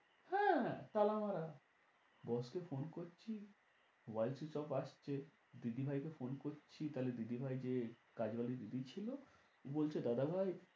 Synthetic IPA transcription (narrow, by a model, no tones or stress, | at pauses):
hɛ̃t̪alamaɾa | bɔskefonkoɾt͡ɕʰi | wajlsit͡ɕɔpaʃt͡ɕʰe | d̪id̪ibʱajkefonkoɾt͡ɕʰit̪aled̪id̪ibʱajd͡ʑekad͡ʑbalid̪id̪it͡ɕʰilo | bolt͡ɕʰed̪ad̪abʱaj